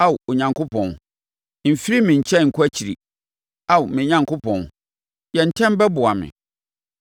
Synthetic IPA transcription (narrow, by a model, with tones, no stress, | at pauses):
a˦˨wo˨ɲã˨ŋkʊ˦pʰɔ̃˨n˨ | m̩˨fi˦ɾi˦mɪ̃˨ɲ̩˨t͡ɕʰɛ˦ŋ̩˨kʰʊ˦æ˦t͡ɕʰi˨ɾi˨ | a˦wmɪ̃˨ɲã˨ŋkʊ˦pʰɔ̃˨n˨ | jɛ̃˨n̩˨tʰɛ̃˦m˦bɛ˦bʊ˨a˨mɪ̰̃˨